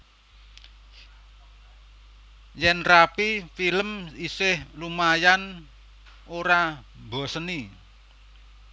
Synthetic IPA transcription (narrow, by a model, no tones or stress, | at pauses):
jɛnrapifiləmisɪhlumajan | oɾa | bɔ̤səni